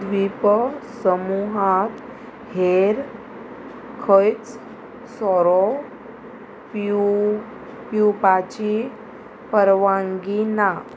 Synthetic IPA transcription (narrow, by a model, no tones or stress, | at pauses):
d̪ʋipəsəmuɦat̪ | heɾ | kʰəjt͡s | sɔɾɔ | p | pjupat͡ɕi | pəɾʋaŋɡina